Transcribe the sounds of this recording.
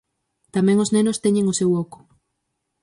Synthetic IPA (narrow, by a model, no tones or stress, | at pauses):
t̪amɛ̃ŋoznenʊst̪ɛɲeŋosewɔkʊ̥